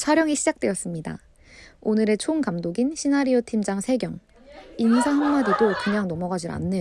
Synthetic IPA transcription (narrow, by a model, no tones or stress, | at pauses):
t͡ɕʰaɾjʌŋiɕʰid͡ʑak̚t͈we̞ʌs͈ɯmɲida̰ | onɯɾe̞t͡ɕʰonkamdoɡinɕʰinaɾiotʰimd͡ʑaŋsʰe̞ɡjʌŋ | insʰahʌŋmadidokɯɲaŋnʌmʌɡad͡ʑina̰nːɯ